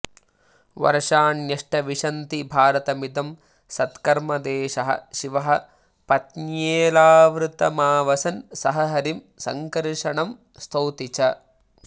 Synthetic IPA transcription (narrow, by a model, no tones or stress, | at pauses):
ʋɐ̰ɾʂaːnjɐʂʈɐʋiʂɐnt̪ibʱaːɾɐt̪ɐmid̪ɐm | sɐt̪kɐɾmɐd̪eːʃɐɦɐ̰ʃiʋɐɦɐ̆ | pɐt̪neːlaːʋɾut̪ɐmaːʋɐsɐnsɐɦɐɦɐɾim | sɐ̰ŋkɐɾʂɐɳɐm | st̪ʰowt̪it͡ʃɐ